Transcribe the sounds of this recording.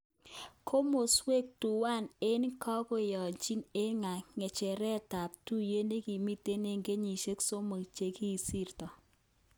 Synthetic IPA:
kʰo˦mo˨swe˦˨k̚tu˨wa˦˨ne˦n˦kɔ˦ko˦jɔ˨t͡ʃi˦ne˦ŋa˨ŋɛ˨t͡ʃɛ˨ɾɛ˦ta˨p̚tu˦je˦ne˦ki˨mi˦te˦ne˦ŋɡe˦ɲi˨ʃe˦kso˦mə˨kt͡ʃe˨˦ki˦˨si˦rtɔ˨

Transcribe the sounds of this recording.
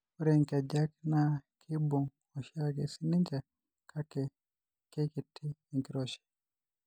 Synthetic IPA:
u˦ɾɛŋka˨d͡ʒa˦knakʰi˦bu˨ŋ | ɔ˨ʃa˦kɛ̰˨si˦ni˦ɲd͡ʒa˨ | kʰa˦kɛ˨ | kɛ˦ki˨tʰiː˦˨ŋki˨ɾɔ˦ʃɛ̥˨

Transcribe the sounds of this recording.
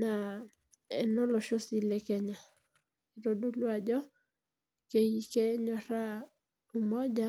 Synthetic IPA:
na˨ | ɛ˨nɔ˦lɔ˨ʃo˦si˨le˦kɛ˦ɲa˨ | i˨ɾo˨do˦lwa˨d͡ʒɔ˦ | ke˨ji˨ke˦ɲɔ˨ɾa˦ | u˨mɔ˦d͡ʒa˦

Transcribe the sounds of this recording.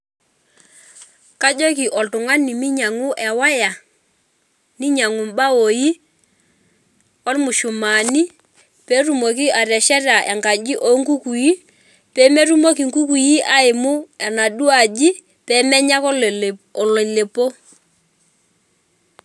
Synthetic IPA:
ka˦d͡ʒo˦ki˨ʔɔ˨ltʊ˨ŋwa˦ni˨mi˦ɲa˨ŋʊ˦ʔɛ˨wa˦ja˨ | ni˦ɲa˨ŋu˨mba˦o˨ji˦ | ɔ˦lmʊ˨ʃʊ˨ma˨ni˦ | pɛ˨˦ru˨mo˨ki˦ʔa˨ɾɛ˨ʃɛ˦ra˨ʔɛ̰˨ŋɡa˨d͡ʒi˦ʔo˨˦ŋku˦ku˨ji˦ | pɛ˨˦mɛ˦ru˦mo˦ki˨ŋku˦ku˨ji˦ʔa˦ɪ˨mʊ˦ɛ˨na˨ɗu˦a˨d͡ʒi˦ | pɛ˨˦mɛ˦ɲa˦kɔ˦ɔ˨lɔ˨le˨po˦

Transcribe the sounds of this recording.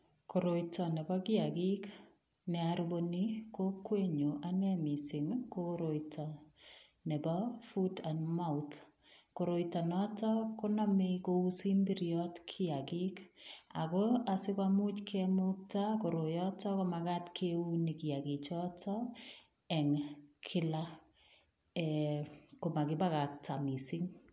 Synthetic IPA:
ko˨ɾo˨jtɔ˨nɛ˨bɔ˦ɡɪaɡɪ˦k | nɛ˨aɾboni˦ko˦kwe˦ɲo˨ʔa˨nɛmɪ˨sɪ˨nkoɾoitʰɔ | nɛ˨bɔfuda˨nmaut̪ | ko˨ɾo˨jtɔ˨nɔ˦tɔ˦ko˦namɪkou˦si˦mbiɾjɔtkʰɪ˦akɪka̰˨kɔa˨sɪ˦kamʊ˦t͡ʃkʰɛmʊk̚tako˨ɾo˨jɔtɔ˦kɔmakatkʰeuni˨kɪ˨jaɡɪ˨t͡ʃɔtɔ | ɛ˨ŋkʰɪ˦la | ɛko˨ma˨kɪba˦ka˨k̚ta˨mi˨siŋ

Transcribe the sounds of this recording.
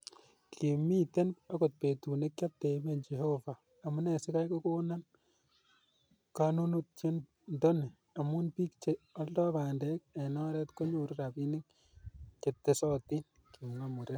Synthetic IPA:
kʰi˨mi˦te˦na˦ko˨t̚pe˨tu˨ne˦kja˦p̚te˨i˦me˦nd͡ʒe˨hovaː˨mu˦ne˨si˦ka˦jko˦ko˦na˦n | ka˦nu˦nu˦t̚t͡ʃe˦n | ndo˦ne˨ | a˨mu˦npi˦kt͡ʃe˨ɔ˦ldɔ˦ba˨ndɛ˦k̚e˨nɔ˦ɾɛ˦tko˦ɲo˨ɾu˦ɾa˨pi˦nɪ˦ŋ | t͡ʃe˨tːe˦sɔ˦ti˦n | ki˨ŋa˦mu˨ɾe˦

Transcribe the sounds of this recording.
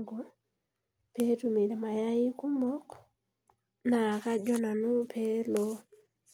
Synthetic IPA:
ɡo˨ | pe˦tu˦me˨de˨ma˨ja˦ji˦ku˦mo˦k | na˨ka˦d͡ʒɔ˦na˨nu˦pʰe˦lo˦

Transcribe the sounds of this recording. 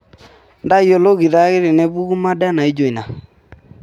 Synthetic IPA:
nda˦jo˨lo˦ɣi˨ða˦ɣe˦ɾe˨nɛ˦βu˦ɣu˦ma˦da˦na˨i˦d͡ʒo˨i˨na˨

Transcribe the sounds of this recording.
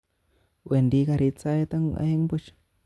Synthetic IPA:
we˨nd̪i˧ɡa˧ɾi˧t͡sa˧jt̪a˦ŋ˧a̰˧ji˦ŋbu˦t͡ʃ

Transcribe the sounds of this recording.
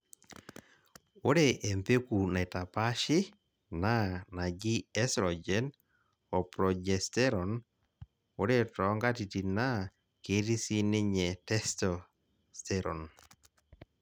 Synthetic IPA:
o˦ɾe˦ʔe˨mpe˦ku˨na˨i˨ta˨pa˦ʃɪ˦ | na˦na˨ɡi˦ɛ˦sɾɔ˨d͡ʒɛ˦n | ɔ˨pɾɔ˨d͡ʒɛ˨stɛ˦ɾɔ˨n | o˦ɾe˦tɔ˨˦ŋɡa˦ti˨ti˨na˦ | ke˨˦ɾi˦si˦nɪ˦ɲɛ˨tɛ˦stɔ˨ | stɛ˦ɾɔ˨n

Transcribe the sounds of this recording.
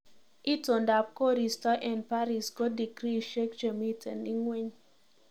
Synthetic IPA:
ʔi˦tõ˨nda˨p̚ko˦ɾi˨sta˦ʔɛ̃˨ndpa˦ɾi˨sko˦di˨kɾi˦˨ʃe˦kt͡ʃe˨mi˦tʰɛ̃˨ni˦ŋwe˦ɲ

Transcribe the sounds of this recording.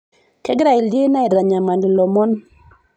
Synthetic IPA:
kɛ˦ɡɾa˨i˨lde˦na˦i˨ɾa˨ɲa˨ma˨ndi˨lɔ˨mɔ˦n

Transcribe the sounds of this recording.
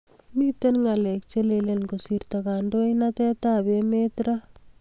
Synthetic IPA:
mi˦tenŋa˨lɛ˨k̚t͡ʃe˦lelenko˨si˨ɾtaka˨ndo˦inatɛ˦ta˦be˦metɾa

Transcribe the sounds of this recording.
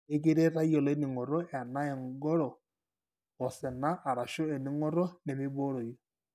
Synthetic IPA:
ɪ˦k̬i˦ɾe˦ɾa˦jɔ˨le˦ni˨ŋɔ˨ɾɔ˦ɛ˨na˦ɛ˨ŋɡɔ˦ɾɔː˨ | sɛ˨na˦ʔa˨ɾa˨ʃo˦e˨ni˦ŋɔ˦ɾɔ˦nɛ˨mɪ˦bo˦ɾo˨jɔ˨

